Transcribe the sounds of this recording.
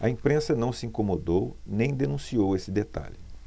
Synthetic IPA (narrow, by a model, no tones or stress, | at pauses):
ɐĩpɾẽsɐnɐ̃w̃sɪĩŋkomod̪ownẽj̃d̪enũsiowesɪd̪et̪a̰ʎɪ